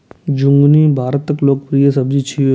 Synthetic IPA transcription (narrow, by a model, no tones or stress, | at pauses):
d͡ʒʊ̃ŋɡnibʱaːɾət̪ːəkloːk̚pɾijəsɐbd͡ʒit͡ʃʰi